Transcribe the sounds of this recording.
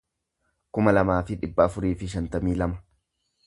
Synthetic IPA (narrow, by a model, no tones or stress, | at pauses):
kʊmɐlɐmaːfɪᶑɪbːɐːfʊɾiːfɪʃ̬ɐnt̪ɐmiːlɐmɐ